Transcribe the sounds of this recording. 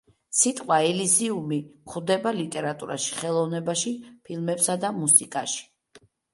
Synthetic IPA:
sit̪ʼqʼwaɛliziumiχwd̪ɛbalit̪ʼɛɾat̪ʼṵɾa̰ʃi̥χɛlˠɔvnɛbaʃipʰilˠmɛpsad̪amusikʼaʃi̥

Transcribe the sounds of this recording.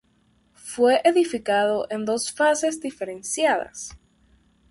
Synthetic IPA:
fwe̞ʔeðifikaðo̞ʔend̪o̞sfase̞zd̪ife̞ɾensjaða̰s

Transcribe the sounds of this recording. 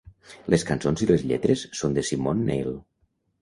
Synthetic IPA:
lʔəskansonziləzʎɛ̰t̪ɾəsːond̪əsimonːḛjlˠ

